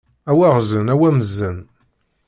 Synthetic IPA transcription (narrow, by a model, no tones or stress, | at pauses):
æwæʁzənæwæməzːən